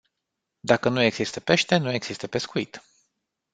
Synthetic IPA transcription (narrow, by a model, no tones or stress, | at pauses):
d̪akənue̞ɡz̥ist̪əpe̞ʃt̪e̞nue̞ɡz̥ist̪əpe̞skuit̪